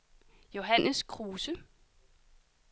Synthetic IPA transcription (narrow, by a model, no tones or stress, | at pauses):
jo̝ɦænəskʰʁuːsə